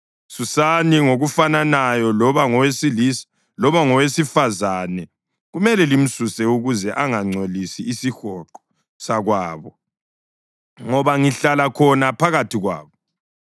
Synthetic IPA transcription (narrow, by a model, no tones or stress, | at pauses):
susaniŋoɣufananajɔaɔwesiis | lɔβaŋɔwesifazanɛ | ɣumɛlɛlim̩susɛuɣuzɛʔaŋaŋ͡ǀʱolisiːsixɔǃɔ̥ | saɣwaːβɔ | ŋɔβaŋiɬalakʰɔnapʰaɣatʰiɣwa̰ːβɔ